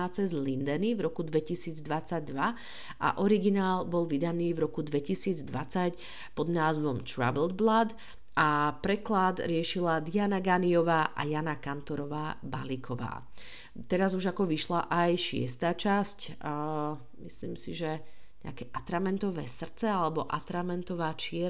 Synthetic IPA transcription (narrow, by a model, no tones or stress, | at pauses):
at͡sɛzlind̪ɛnivɾɔkud̪ʋɛcisiːd͡zd̪ʋat͡saɟ̚d̪ʋa | ʔa̰ʔɔɾiɡinaːlbɔlʋid̪aniːvɾɔkud̪ʋɛcisiːd͡zd̪ʋat͡sac | pɔd̪naːzʋɔmt̪ɾa̰bɛld̪̚blad̪ | ʔapɾɛklad̪ɾɪɛʃilad̪ianaɡaniɔʋaːʔa̰janakant̪ɔɾɔʋaːba̰likʰɔʋa̰ː | t̪ɛɾazuʒakɔʋiʃlaʔajʃɪɛ̰st̪aːt͡ʃasc | misliːmsiʒɛ | ɲɛ̰a̰kɛʔat̪ɾamɛnt̪ɔʋɛːsr̩t͡sɛalɛbɔʔat̪ɾamɛnt̪ɔʋaːt͡ʃɪɛ